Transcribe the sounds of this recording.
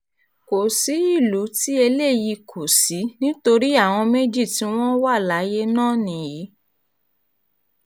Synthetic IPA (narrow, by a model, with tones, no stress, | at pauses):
ko˨si˨˦i˦˨lu˨˦ti˦e˧le˦˨ji˧kʰo˨si˨˦nĩ˦to˧ɾi˦a˦˨w̃ɔ̃˧me˦d͡ʒi˦˨ti˧˦w̃ɔ̃˦wa˦˨la˨˦je˦nãː˦˨nĩ˨ji˨˦